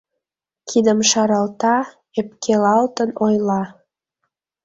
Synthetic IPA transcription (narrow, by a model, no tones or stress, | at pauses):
kʰid̪əmʃɑɾɑlt̪ɑ | ep̚kʰelɑlt̪ənojlɑ